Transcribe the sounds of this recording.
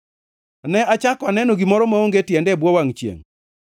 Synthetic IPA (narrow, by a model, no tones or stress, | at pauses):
nɛat͡ʃakɔanɛnoɡimɔɾɔmaoŋɡetjɛndɛbwɔwaŋt͡ʃjḛŋ